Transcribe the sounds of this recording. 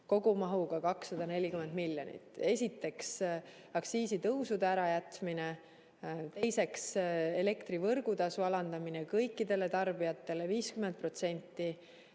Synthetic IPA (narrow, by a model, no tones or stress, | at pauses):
ko̞ɡumɑɦuɡɑkɑksːɑd̪̥ɑne̞lʲːikyme̞nd̪miljonḭt̪ːˑe̞sʲit̪ːe̞ks | ɑksiːsit̪ɤwsud̪eæɾɑjæt̪mine | t̪e̞jse̞kse̞le̞kt̪ɾivɤrɡ̥ut̪ɑsuɑlɑnd̪̥ɑminekɤjkːid̪e̞le̞t̪ɑrbijɑt̪ːˑe̞le̞viːskyment̪̚pro̞t̪se̞nʲt̪ːi